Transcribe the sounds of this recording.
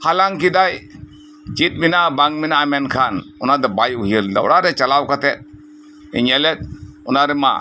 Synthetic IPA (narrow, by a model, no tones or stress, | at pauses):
halaŋkid̪aj | t͡ʃit̪̚minabaŋminaːmɛnkʰanunad̪ebaːjuɦiəld̪ɐ̰wɽaɾet͡ʃɐlawkɐt̪ʰet̪̚ | ḭɲelet̪̚unaɾema̰